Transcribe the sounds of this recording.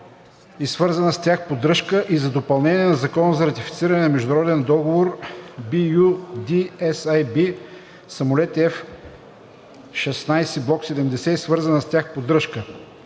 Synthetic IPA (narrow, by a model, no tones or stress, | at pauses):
isvɤɾzɐnəst̪ʲjaxpod̪ɾɤʃkəʔizɐd̪opɐlˠnɛnʲiɛnɐzɐkɔnəzɐɾɐt̪ifi̥t̪siɾɐnɛnɐmɛʒd̪ʊnɐɾɔd̪ɛnd̪ɔɡovoɾbijud̪iɛsajbi | sɐmolɛt̪ɛf | ʃɛsnajsɛblˠɔksɛd̪ɛmd̪ɛsɛisvɤɾzɐnəst̪ʲaxpod̪ɾɤʃkə